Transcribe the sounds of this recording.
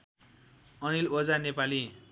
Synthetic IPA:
ʌnilod͡zanepali

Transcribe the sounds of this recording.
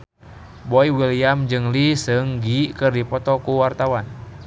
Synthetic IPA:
boiwiliamd͡ʒɨŋlisəŋɡikɨrdipɔt̪ɔkuwart̪awan

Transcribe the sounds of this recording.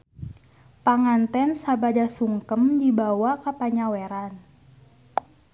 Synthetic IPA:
paŋant̪ɛnsabadasuŋkəmdibawakapaɲawɛɾan

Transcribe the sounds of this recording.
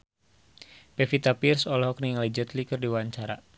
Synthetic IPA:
pɛfit̪apirsɔlhɔkniŋlid͡ʒət̪likɨrdiwaɲt͡ʃaɾa̰

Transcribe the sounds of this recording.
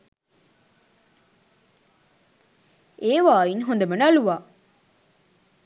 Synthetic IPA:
eːʋaːinɦond̪ɐmɐnɐluʋaː

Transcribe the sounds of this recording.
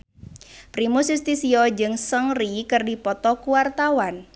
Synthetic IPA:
pɾimusist̪isiɔd͡ʒɨŋsəŋrikərdipɔt̪ɔkuwart̪awan

